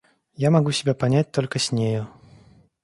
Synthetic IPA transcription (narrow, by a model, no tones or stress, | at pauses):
jamaɡusʲɪbʲepanʲat͡s̚ʲt̪ɔlʲkəsʲnʲeju